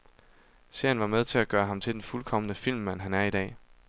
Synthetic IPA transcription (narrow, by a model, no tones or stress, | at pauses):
se̝ɐ̰jənʋɑ̈með̞ˠt͡sʰe̝læɡ̥ɶːɐɦɑ̈mt͡sʰe̝ld̥enfulkʰɒ̽mənəfil̰mːæn̰ɦænæɐid̥ɛ̰ː